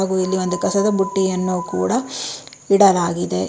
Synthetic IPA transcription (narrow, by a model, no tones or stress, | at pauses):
ɡuilːiʋo̞nd̪ukɐsɐd̪ɐbuʈːijɐnːukṵːɽɐ | iɽɐlaːɡid̪e